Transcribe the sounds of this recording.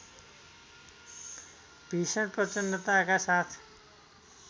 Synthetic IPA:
peːsəɳʈ̚pɾət͡ʃənːət̪akasat̪ʰ

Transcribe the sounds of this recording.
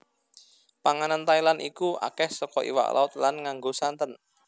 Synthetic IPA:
paŋanant̪ailanʔikua̰kɛhsɔkɔʔḭwa̰ʔlʔa̰ʊt̪̚lanŋaŋɡosant̪ən

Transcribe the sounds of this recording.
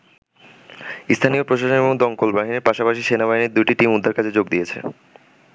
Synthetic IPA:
ist̪ʰanijopɾoʃaʃoneboŋd̪ɔŋkolbaɦiniɾpaʃapaʃiʃenaβaɦiniɾd̪ujʈiʈimud̪ʱːaɾkat͡ɕʰed͡ʑoɡ̚d̪ijet͡ɕʰḛ

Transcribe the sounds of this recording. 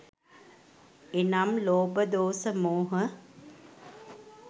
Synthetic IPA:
enamloːbəd̪oːsəmoːɦə

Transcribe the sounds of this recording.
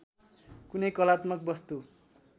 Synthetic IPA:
kunʌjkʌlat̪mʌk̚bʌst̪u

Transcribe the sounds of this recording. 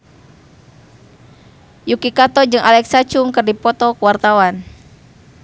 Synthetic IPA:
jukikat̪ɔd͡ʒɨŋʔalɛksat͡ʃuŋkɨrdipɔt̪ɔkəwart̪awan

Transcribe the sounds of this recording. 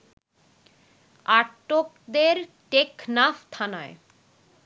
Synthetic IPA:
aʈːokd̪eɾ | ʈeknaft̪ʰanae

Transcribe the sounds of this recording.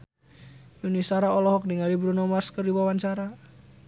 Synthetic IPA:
junisaɾaɔlɔɦɔk̚diŋalibɾunɔmarskərdiwawaɲt͡ʃaɾa

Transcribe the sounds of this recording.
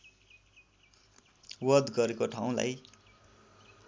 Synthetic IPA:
wʌd̪ɡʌɾekoʈʰaw̃la̰j

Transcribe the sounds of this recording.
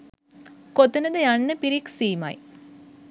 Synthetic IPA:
kot̪ɐnɐd̪ɐjanːəpiɾiksiːma̰j

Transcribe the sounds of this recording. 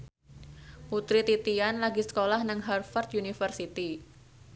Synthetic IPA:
put̪ɾit̪it̪ianlaɡisə̥kolahnəŋɦarfɔrt̪junifərsit̪i

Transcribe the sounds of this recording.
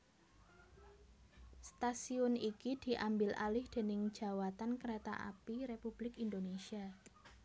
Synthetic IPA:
st̪asiʊnikid̪̥i̤ʔambɪlʔa̰lɪhd̪̥e̤nɪŋd̥ʒ̥a̤wat̪ankəɾet̪a̰ʔa̰piɾepub̥lɪkind̪onesia

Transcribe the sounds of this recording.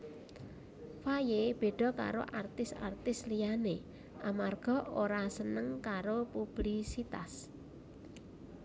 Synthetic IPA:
fajeb̥e̤ɖ̥ɔ̤ka̰ɾo̰ʔart̪ɪsa̰rt̪ɪslijane | ʔamarɡ̥ɔ̤oɾasənəŋkaɾopub̥lisit̪as

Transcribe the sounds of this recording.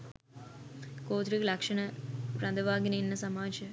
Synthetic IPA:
koːt̪ɾikɐlɐkʂɐnɐpɾɐnd̪ɐʋaːɡinɐɪnːɐsɐmaːd͡ʒɐ

